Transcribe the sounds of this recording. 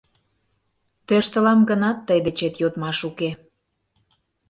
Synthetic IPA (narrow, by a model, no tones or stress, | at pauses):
t̪øʃt̪ə̆lɑmɡənɑt̪ːəjd̪et͡ɕet̪jot̪mɑʃuke